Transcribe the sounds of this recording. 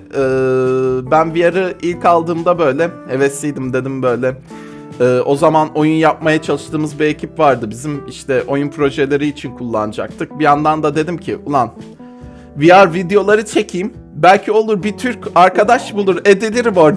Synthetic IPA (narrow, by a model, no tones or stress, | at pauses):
ɯːbænvijaɾɯilʲcalˠd̪ɯːmd̪abø̞jlʲɛevɛsijd̪imd̪e̞d̪imbø̞jlʲɛ | ɯːʔo̞zamano̞junjap̚majat͡ʃʰalˠɯʃt̪ʰɯːmɯzbie̞cʰipvaɾd̪ɯbizimiʃt̪ʰɛʔo̞junpʰɾo̞ʒelʲe̞ɾiːt͡ʃʰinkʰulˠːa̰nɯd͡ʒa̰k̚t̪ʰɯk̚bijand̪and̪ad̪e̞d̪imcʰiʔulˠan | vijaɾvid̪ejo̞lˠaɾɯt͡ʃʰe̞cʰijm | bælʲcʰio̞lˠuɾbit̪ʰyɾcaɾkʰad̪aʃbulˠuɾe̞d̪elʲiɾimoɾ